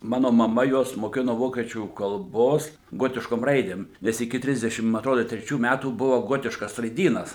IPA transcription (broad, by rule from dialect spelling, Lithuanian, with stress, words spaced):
ˈmɑːnoː mɐˈmɐ ˈjuɔs moːˈkʲɪnoː ˈʋoːkʲiɛt͡ʃʲuː kɐlˠˈboːs ˈɡoːtʲɪʃkoːm ˈrɐɪdʲeːm ˈnʲɛs ɪkʲɪ ˈtʲrʲɪzʲdʲɛʃʲɪm mɐ ɐtˈroːdoː tʲrʲɛˈt͡ʃʲuː ˈmʲætuː ˈbʊʋoː ˈɡoːtʲɪʃkɐs rɐɪˈdʲiːnɐs